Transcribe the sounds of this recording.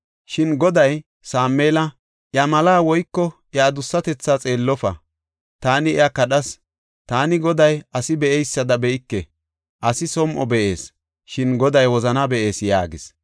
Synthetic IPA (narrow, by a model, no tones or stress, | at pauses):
ʃɪnɡɔd̪ɐj | saːmːeːlɐ | ʔjɐmɐlaːwɔjkːɔʔɛad̪ʊsːɐt̪ɛt͡sːat͡sʼe̞ːlːɔfɐ̰ | t̪aːnɪɛakɐɗɐs | t̪aːnɪɡɔd̪ɐjɐsɪbɛʔɛjsːɐd̪ɐbɛʔɪkːɛ | ʔɐsɪsɔmʔɔbɛʔe̞ːs | ʃɪnɡɔd̪ɐjwɔzɐnɐbɛʔe̞ːsja̰ːɡɪs